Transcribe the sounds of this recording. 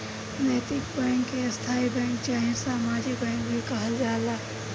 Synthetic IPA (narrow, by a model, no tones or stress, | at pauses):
nəːt̪ɪkbɛ̃ːŋkːest̪ʰaːibɛ̃ːŋkt͡ʃaːɦĩsaːmaːd͡ʒik̚bɛ̃ːŋk̚bʱikɐɦəld͡ʒaːla